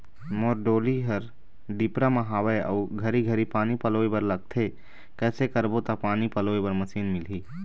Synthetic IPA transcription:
moːɾɖoːliɦəɾ | ɖipɾaməɦaːʋeə̰uɡʱəɾiɡʱəɾipaːnipəloːebəɾləɡ̚t̪ʰe | kɛːsekəɾbot̪apaːnipəloːebəɾməsiːnmɪlɦi

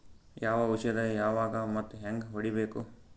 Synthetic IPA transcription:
jaːʋɐuʃjɐd̪ɐjaːʋaːɡɐmɐt̪ːuɦeŋɡɦoɽibe̞ːku

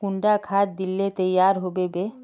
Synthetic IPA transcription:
kuɳɖakʰat̪̚d̪ilːet̪əjaːɾɦobebe

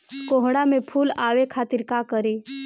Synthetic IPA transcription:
koɦɽamẽpʰulaːʋekʰaːt̪iɾkakəɾi

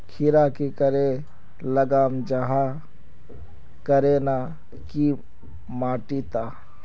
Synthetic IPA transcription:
kʰɪɾakikəɾe | ləɡaːmd͡ʒaɦa | kəɾena | ki | maːʈit̪aː

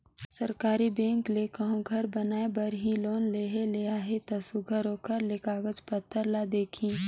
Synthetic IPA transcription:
səɾkaːɾibẽːŋklekəɦõɡʱɐɾbɐnaːebɐɾɦiloːnleːɦelejaɦet̪ɐsʊɡʱəɾoːkəɾlekaːɡəd͡ʒpət̪ʰːəɾlad̪eːkʰĩ

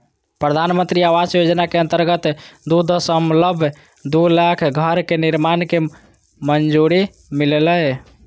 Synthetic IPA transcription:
pɾəd̪ʱanmənt̪ɾiaʋasjod͡ʒnakeənt̪əɾɡət̪d̪ud̪ʱsəmləbʱ | d̪ulakʰɡʱəɾkeniɾmanke | mənd͡ʒuɾi | mileləj

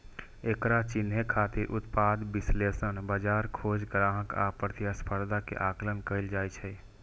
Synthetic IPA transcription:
ekɾat͡ʃinɦekʰat̪iɾʔut̪pad̪bislesənbəd͡ʒaɾkʰod͡ʒɡɾãɦəka̰pəɾt̪jaspʰəɾd̪ʱakḛʔaklənkəɪld͡ʒajt͡ʃʰɛ

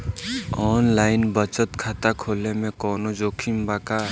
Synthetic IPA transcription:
ɔːnlaɪnbət͡ʃət̪kʰat̪akʰoːlemẽkɔːnod͡ʒoːkʰimbaka

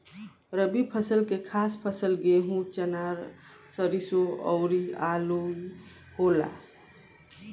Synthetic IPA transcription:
ɾəbipʰəsəlkekʰaspʰəsəlɡeɦũt͡ʃənaɾ | səɾisoɔ̰ʊɾialo | hola̰

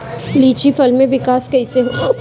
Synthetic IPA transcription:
liːt͡ʃifɐlmẽʋɪkaːskɐiseɦo

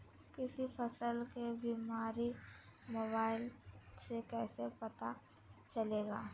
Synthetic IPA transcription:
kɪsipʰɐsəlkebiːmaːɾimoːbaːɪlsekɛːsepɐt̪a | t͡ʃɐleːɡaː

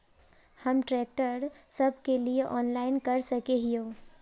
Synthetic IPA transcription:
hɐmʈɾɛːk̚ʈəɾsɐbkelieʔɔːnlaːɪnkɐɾsɐkeɦioː

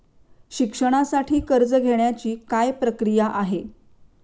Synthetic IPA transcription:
ɕikʂəɽ̃asaʈʰiːkəɾd͡zəɡʱeɳjat͡ɕiːkajpɾəkɾijaʔaɦe

